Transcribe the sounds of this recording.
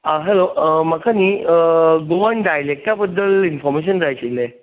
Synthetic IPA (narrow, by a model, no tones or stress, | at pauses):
əɦɛloməkʰaniːəɡoʋəɳɖajlek̚t̪jabəd̪ːəlinfɔɾmeɕ̬ənd͡zajt͡ɕile